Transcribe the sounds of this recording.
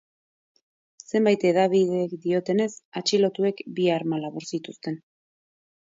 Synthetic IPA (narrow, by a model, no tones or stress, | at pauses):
se̞mbajt̪e̞ðaβiðe̞ːkd̪io̞t̪e̞ne̞sat͡ʃilo̞t̪ue̞kbiaɾmalaβuɾsit̪ust̪e̞n